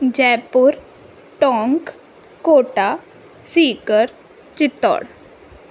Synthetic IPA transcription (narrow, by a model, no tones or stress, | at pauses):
d͡ʑɛːpuɾ | ʈɔːŋk | koːʈa | siːkəɾ | t͡ʃɪt̪ːɔ̰ɽ